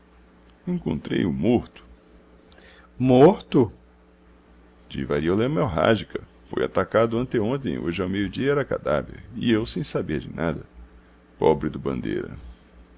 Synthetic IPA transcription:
ẽkõnt̪ɾḛjʊmoɾt̪ʊ̥ | moɾt̪ʊ | d͡ʒḭvaɾiolɛmɛwɦa̰ʒikɐ | fo̰ja̰t̪akad̪ʊɐ̃nt̪eõt̪ẽj̃o̰ʒɪawmejʊd͡ʒiɐɛɾɐka̰d̪a̰vḛɾɪewsẽj̃sabeɾd͡ʒɪnad̪ɐ | pɔbɾɪd̪ʊbɐ̰̃nd̪ejɾɐ̰

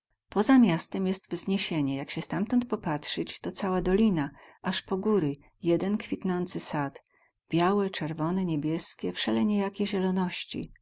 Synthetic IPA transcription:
pɔzamʲjast̪ɛmjɛst̪vzɲeɕeɲɛjakɕɛst̪amt̪ɔnt̪̚pɔpatʂɘt͡ɕt̪ɔt̪sawad̪ɔlʲinaʔaʂpɔɡuɾɘ | jɛd̪ɛnkfʲit̪nɔnt̪sɘsat̪ | b̥ʲjawɛt͡ʂɛɾvɔnɛɲebʲjɛskʲɛfʂɛlɛɲejakʲeʑɛlɔnɔɕt͡ɕḭ

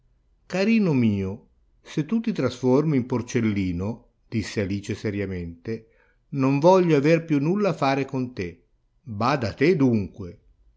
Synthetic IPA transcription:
kaɾiːnomiːo | set̪ːut̪it̪ɾasfɔrmimport͡ʃelːiːno | d̪̥isːealiːt͡ʃesɛɾjament̪e | noɱvɔʎːoaverpjunːulːafaːɾekont̪e | baːd̪at̪ed̪uŋkwe

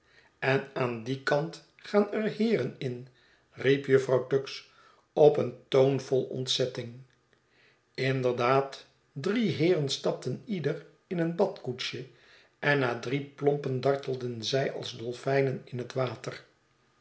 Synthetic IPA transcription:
ɛnaːndikɑnt | χaːnɛrhɪːrənɪn | ripjɵfrɑwtɵks | ɔpəntownvɔlˠɔ̰ntsɛtɪŋ | ɪndəɹdaːt | driɦɪːrənstɑp̚tənidər | ɪnənbɑtkutʃə | ʔɛnːaːdriplɔmpəndɑɹtəl̩ˠdənzɛjɑ̰lˠzdɔlˠfɛjnənɪnɦətʋaːtər

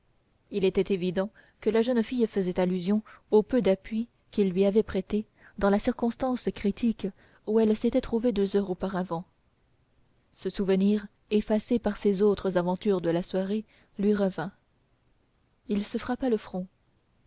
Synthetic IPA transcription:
ilɛt̪ɛt̪evid̪ɑ̃ | kəlaʒənfijfəzɛt̪alyzjɔ̃opød̪apɥi | kʲilːɥiavɛpχɛt̪e | d̪ɑ̃lasiʁkɔ̃st̪ɑ̃skχit̪ʰik | uɛlset̪ɛt̪χuved̪øzœʁopaʁavɑ̃ | səsuvəniʁ | efasepaʁsezot̪χəzavɑ̃t̪yʁd̪əlaswaʁe | lɥiʁəvɛ̃ | ilsəfχapaləfχɔ̃

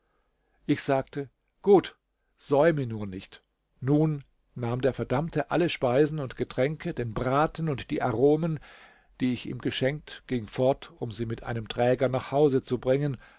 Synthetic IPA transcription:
ʔɪçz̥aːk̚tə | ɡ̥uːt | z̥ɔʏmənuːɐnɪçt | nuːnː | aːmdeːɐfɛɐdamtʰəʔaləʃpaɪzn̩ʊntɡ̥ətʁ̥ɛŋkədeːnbʁaːtn̩ʊntd̥iːʔaʁoːmən | d̥iːɪçʔḭːmɡəʃɛŋk̚tɡ̥ɪŋfɔɐtʔʊmziːmɪtʔa̰ɪnəmtʁ̥ɛːɡɐnaːχhaʊzət͡subʁɪŋən

